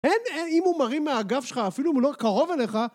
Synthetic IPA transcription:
eneimumaʁimːeaɡafʃelχaːfiluimlokaʁo̞vele̞χa

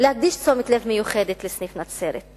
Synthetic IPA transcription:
lehaɡ̚d̪iʃt͡so̞mit̪levmejuχed̪et̪lesnifnat͡seɾḛt̪

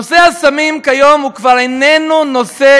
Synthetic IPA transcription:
osehasamimkajo̞mukvaʁenenuno̞se

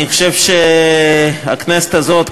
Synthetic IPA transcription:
iχoʃevʃe | a̰knese̥t̪azot̪

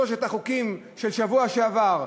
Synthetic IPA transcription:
oʃ̬et̪aχukim | ʃelʃavuaʃeavaʁ

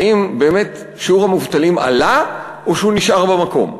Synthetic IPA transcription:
imbe̞ːme̞t | ʃiuʁhamuvt̪alima̰la | ʔoʃuniʃʔaʁbemako̞̰m

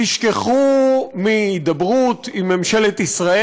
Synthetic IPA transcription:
iʃke̞χumiːd̪abʁut̪imːemʃelet̪isʁae

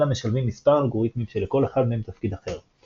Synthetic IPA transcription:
lame̞ʃalvimːispaʁalɡo̞ʁit̪mimʃeleko̞le̞χad̪meemt̪afkid̪aχe̞ʁ

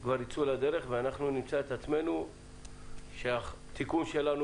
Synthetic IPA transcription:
kvaɾit͡sulad̪e̞ʁe̞χveanaχnunimt͡saet̪at͡sme̞nu | ʃeat̪ikumʃelanu

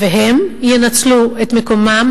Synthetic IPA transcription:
veɦe̞mjenat͡slue̞t̪me̞ko̞mam

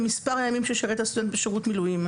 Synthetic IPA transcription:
mispaʁajamimʃeʃaʁet̪asud̪entbeʃeʁutmilujim

